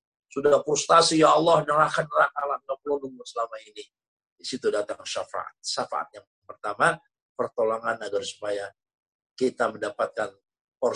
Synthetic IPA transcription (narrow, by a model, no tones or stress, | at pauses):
sudahpɾust̪asijaːlːɑhnəɾahanəɾakalanaplonʊŋmʊnsəlamaini | disit̪udat̪aŋʃafa̰a̰t̪̚ʃafa̰ʔa̰t̪̚jaŋŋpərt̪ama | pərt̪oloŋanaɡarsu̥paja | kit̪aməndapat̪̚kan | pɔr